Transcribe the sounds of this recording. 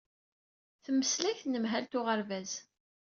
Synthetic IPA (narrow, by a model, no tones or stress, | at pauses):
θəmːəslæçnəmɦælt̪ʊʁəɾvæz̥